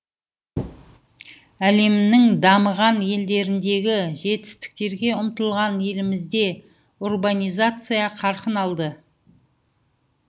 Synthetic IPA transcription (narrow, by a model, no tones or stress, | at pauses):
æle̞mnɪŋd̪ɑməʁɑnje̞ld̪e̞ɾɪnd̪e̞ɡʲɪʒe̞t̪ɪ̥st̪ɪ̥k̚t̪e̞ɾɡʲe̞ʊmt̪əlˠʁɑnje̞lɪmɪzd̪e̞ | urbanʲijzat̪sɨjɑqʰɑɾqənɑlˠd̪ə